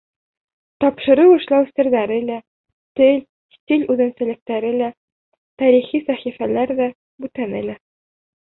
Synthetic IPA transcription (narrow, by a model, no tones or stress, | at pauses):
t̪ɒpʃɤ̆ɾɤwɤ̆ʃlˠɑwsɘ̆ɾðæɾɘlæ | t̪ɘlʲ | st̪ʲilʲʉðɘ̆nsɘ̆lɘ̆k̚t̪æɾɘlæ | t̪æɾiχisæχifælæɾðæ | bʉt̪ænælæ